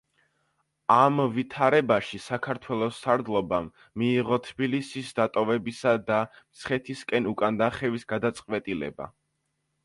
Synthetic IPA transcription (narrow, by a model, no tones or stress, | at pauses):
amvit̪ʰaɾɛbaʃisakʰaɾt̪ʰwɛlˠɔsːaɾd̪lˠɔbamː | iːʁɔt̪ʰbilisisd̪at̪ʼɔvɛbisad̪amt̪sχɛt̪ʰiskʼɛnukʼand̪aχɛvisɡad̪at̪sʼqʼwɛt̪ʼilɛ̰ba̰